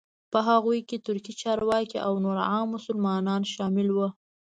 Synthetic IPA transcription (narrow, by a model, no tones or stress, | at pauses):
pəɦaɣujket̪ʊɾkit͡ʃɑɾwɑkiʔawnoɾʕɑmːʊsʊlmɑnɑnʃɑmɪlwə